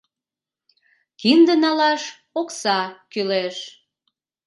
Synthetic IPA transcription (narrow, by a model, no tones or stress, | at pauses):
kind̪ənɑlɑʃ | oksɑkyleʃ